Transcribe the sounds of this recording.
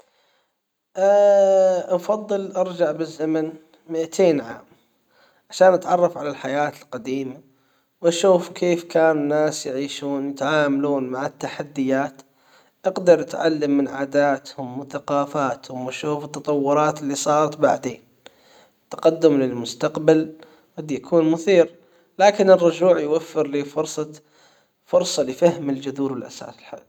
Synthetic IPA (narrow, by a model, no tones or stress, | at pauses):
ʔ | ʔɑfɑðˤːɨlʔɑɾˤd͡ʒaʕbɪzːaman | mɪʔat̪ʰeːnʕa̰ːm | ʕaʃaːnʔat̪ʕɑrˤːɑfʕalalħajaːt̪ɪlqad̪iːma | wʔaʃuːfkʰeːfkaːnɪnːaːsjɪʕiːʃuːnwjɪt̪ʕaːmaluːnmaʕat̪ːaħad̪ːɪjaːt̪ | ʔaɡd̪ɑɾˤʔat̪ʕa̰lːamːɪnʕaːd̪aːt̪hʊmwɪθaqɑːfaːt̪hʊmwaʃuːfɪt̪ːɑt̪ˤɑwːʊɾˤɑːt̪ɪlːiːsˤɑːɾˤɑt̪ba̰ʕd̪eːn | t̪ːḁqad̪ːʊmlɪlmʊst̪aqbal | qɑd̪jakʰuːnmʊθiːɾ | laːkɪnɪrˤːʊd͡ʒuːʕjwafːɪɾlifʊɾsˤɑ | fʊɾsˤɑlɪfahmɪld͡ʒʊðuːɾwɪlʔa̰sa̰ːsɪlħa̰l